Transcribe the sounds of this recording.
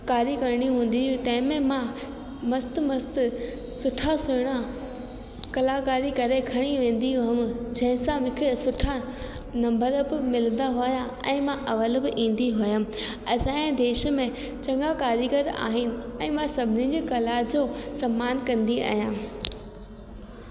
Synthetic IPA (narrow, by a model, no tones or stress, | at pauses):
kaːɾikɐɾɽ̃iɦũːn̆d̪it̪ɐ̃ɦɪ̃mẽmã | mɐst̪mɐst̪ | sʊʈʰasʊɽ̃a | kɐlakaːɾikɐɾekʰɐɽ̃iʋẽːnd̪iɦʊəmd͡ʑɐ̃ɦɪ̃sãmɪ̃kʰɪsʊʈʰa | nɐ̃mbəɾbɪmɪlənd̪aɦʊjã | ɛ̰̃ːmãʔɐʋəlbɪʔĩːn̆d̪iɦʊjəm̆ | ɐsãẽd̪eːʃə̆mẽ | t͡ɕɐ̃ŋɡakaːɾiɡəɾa̰ːɦɪnɪ̆ɛ̃ːmãsɐbʱɪnĩɲd͡ʑeːkɐlad͡ʑoːsɐmːaːnkɐ̃nd̪ia̰ːɦjãː